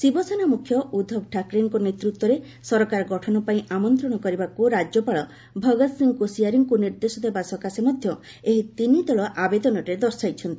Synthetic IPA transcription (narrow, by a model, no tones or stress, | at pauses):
sibɔsenamukʰːjɔʔud̪ʱɔb̚ʈʰakɾeŋkɔnet̪ɾut̪wɔɾe | sɔɾɔkaɾɔɡɔʈʰɔnɔpaĩʔamɔnt̪ɾɔɽ̃ɔkɔɾibakuɾad͡ʒjɔpaɭɔ | bʱɔɡɔt̪siŋkosijaɾiŋkuniɾd̪esɔd̪ʰʱebasɔkasemɔd̪ʱjɔ | eɦit̪inid̪ɔɭɔʔabed̪ɔnɔɾed̪ɔɾsajt͡ʃʰɔnt̪i̥